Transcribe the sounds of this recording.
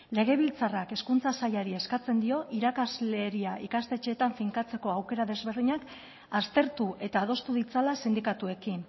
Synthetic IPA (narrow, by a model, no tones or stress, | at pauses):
le̞ɣ̞e̞β̞ilt͡sarake̞skunt͡sasajaɾie̞skat͡se̞nd̪io̞ʔiɾakazle̞ɾiaʔikast̪e̞t͡ʃe̞ːt̪aɱfiŋkat͡se̞ko̞awke̞ɾaðe̞zβe̞ɾðiɲak | ast̪e̞ɾt̪uʔe̞t̪aːð̞o̞st̪uðit͡salasend̪ikat̪ue̞kin